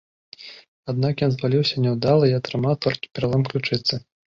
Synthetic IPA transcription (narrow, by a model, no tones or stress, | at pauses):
ad̪̚nakjɔnzvalʲiwsʲɐnʲɛwd̪alˠɐiɐt̪ɾɨmawt̪ɔlʲkʲi̥pʲɛɾalˠɔmklʲut͡ʂɨt̪sːɨ